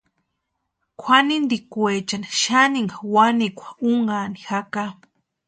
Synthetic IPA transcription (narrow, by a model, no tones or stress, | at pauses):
kʷʰwanind̪ikwet͡ʃanḁʃaniŋɡawanikʷʰḁuŋɡanixaka